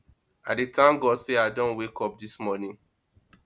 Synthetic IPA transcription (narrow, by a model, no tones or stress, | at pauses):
aditʰãmɡɔseadõnwekɔp̚dismɔnĩŋ